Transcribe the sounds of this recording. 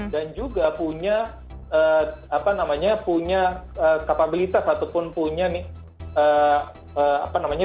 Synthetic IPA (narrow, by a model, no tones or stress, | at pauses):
dand͡ʒuɡapuɲa | əːapanamaɲapuɲaəːkapabilit̪asat̪upʊnpuɲanɪh | ə | əːa̰panamaɲa